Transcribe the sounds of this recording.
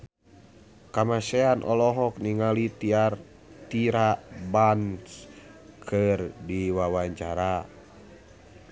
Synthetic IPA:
kamasɛanʔɔlɔɦɔk̚niŋalit̪iar | t̪iɾabanskʰɨrdiwawaɲt͡ʃaɾa

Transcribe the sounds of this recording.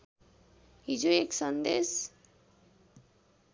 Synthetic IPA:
id͡ʒoeksʌnd̪es

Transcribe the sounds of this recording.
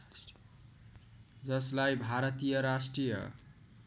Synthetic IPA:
d͡zʌslajbʱaɾʌt̪ijʌɾasʈrijʌ̰

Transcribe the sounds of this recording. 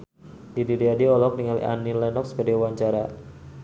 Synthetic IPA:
didiɾiadiɔlɔkniŋalḭʔa̰nilɛnɔksbadawaɲt͡ʃaɾa

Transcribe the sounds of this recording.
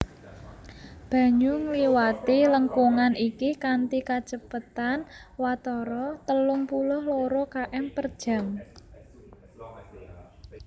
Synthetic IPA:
b̥ä̤ɲʊŋliwat̪iləŋkuŋanikikant̪ikḁt͡ʃəpət̪anwat̪ɔɾɔt̪əlʊŋpulʊhloɾɔkaʔɛmpərd̥ʒ̥a̤m

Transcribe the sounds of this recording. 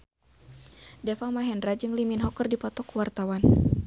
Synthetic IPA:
dɛfamaɦɛndɾad͡ʒɨŋliminɦɔkərdipɔt̪ɔkuwart̪awan

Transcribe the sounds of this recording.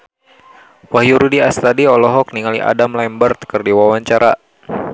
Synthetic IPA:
wahjuɾudiast̪adiɔlɔɦɔk̚niŋaliʔa̰damlambərt̪̚kɨrdiwawaɲt͡ʃaɾa

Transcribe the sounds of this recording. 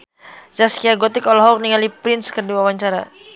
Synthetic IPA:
d͡ʒaskiaɡɔt̪ɪkɔlɔɦɔk̚niŋalipɾɪnskədiwawaɲt͡ʃaɾa̰

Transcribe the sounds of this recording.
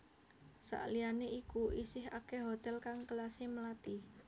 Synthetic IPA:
sa̰ʔlijaneʔikuʔisɪɦa̰keɦot̪ɛlkaŋkəlaseməlat̪i

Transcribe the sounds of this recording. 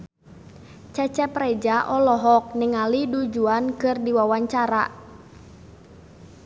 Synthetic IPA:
t͡ʃɛt͡ʃɛpɾɛd͡ʒaʔɔlɔɦɔk̚nɪŋalidud͡ʒuankɨrdiwawaɲt͡ʃaɾa̰

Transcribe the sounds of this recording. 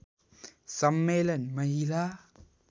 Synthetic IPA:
sɐmːelɐnmɐɦila

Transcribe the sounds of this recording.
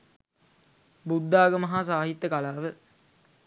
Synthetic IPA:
bud̪ːaːɡəməɦaːs̬aːɦit̪ːəkalaːʋə

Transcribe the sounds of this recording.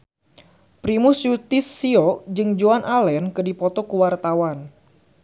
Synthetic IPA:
pɾimʊsjut̪ɪsːiod͡ʒɨŋd͡ʒuanʔalɛnkɨdipɔt̪ɔkəwart̪awan

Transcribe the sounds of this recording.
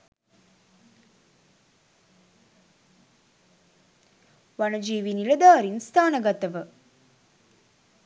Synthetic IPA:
ʋanəd͡ʒiːʋinilɐd̪aːɾinst̪ʰaːnəɡɐt̪əʋə

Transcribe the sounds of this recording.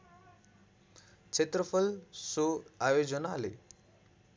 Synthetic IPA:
t͡ʃʰet̪ɾəfʰəlsoaːjod͡ʒənaːlḛ

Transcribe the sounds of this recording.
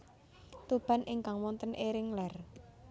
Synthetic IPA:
t̪ub̥a̤nʔiŋkaŋwɔnt̪ənʔeɾɪŋlɛr

